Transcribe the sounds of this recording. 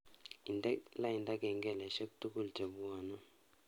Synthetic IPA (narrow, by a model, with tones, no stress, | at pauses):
i˨ndɛ˦la˦i˨nda˦kɛ˨ŋɡɛ˨lɛ˨ʃa˦ku̥˦tu˦ku˦ld͡ʒa˨βɔː˨nɔ˦